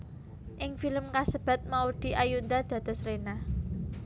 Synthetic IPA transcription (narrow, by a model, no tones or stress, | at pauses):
ʔɪŋfiləmkasəb̥ä̤t̪̚maud̪̥i̤ʔajund̪ad̪̥ä̤d̪̥ɔ̤sɾenah